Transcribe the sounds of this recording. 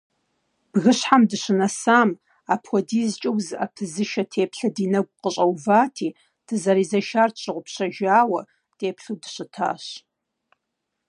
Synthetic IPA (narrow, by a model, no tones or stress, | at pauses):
b̥ɣɨɕħamdɨɕɨnɐsaːm | apʰxʷɔdiːzt͡ʃʼɐwzɨʔɐpʰɨzɨʃɐtʰeːpʰɬɐdiːnɐɡ̚ʷʼqəɕʼɐwvaːtʰiː | d̥ɨzɐɾiːzɐʃaːrt͡ʃʷʼʰɨʁʷʊpɕɐʒaːwɐ | tʰeːpɬuwdɨɕɪtʰa̰ːɕ